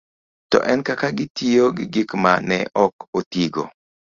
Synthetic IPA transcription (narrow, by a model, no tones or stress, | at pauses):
tɔ̰ʔɛnkakaɡɪtijoɡɪɡikmanɛʔɔkotiɡo̰